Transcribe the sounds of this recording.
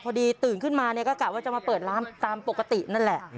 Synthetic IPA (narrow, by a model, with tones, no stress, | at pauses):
kʰɔː˧diː˧t̪ɯː˨˩nkʰɯ˥˩nmaː˧ni˥˩ɐkɔː˥˩klaː˨˩waː˥˩t͡ɕa˨˩maː˧pɤː˨˩t̪̚laː˦˥mt̪aː˧mpo˨˩kːa˧t̪i˨˩ʔna˥˩nlɛ˨˩ʔ